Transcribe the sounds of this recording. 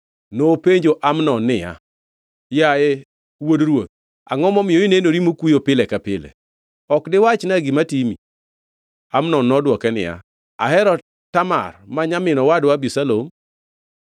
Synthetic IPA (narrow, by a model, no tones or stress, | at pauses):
nopeɲd͡ʒoʔamnɔnːɪja̰ | jaɛ | wodɾwot̪̚ | aŋɔmɔmɪoinenoɾimokujopɪlɛkapɪlɛ̰ | ɔkdɪwat͡ʃnaɡɪmatimḭ | amnɔnːɔdwɔkɛnɪ̰ja̰ | a̰ɦɛɾɔ | tama̰rmaɲamɪnɔwadwabisalom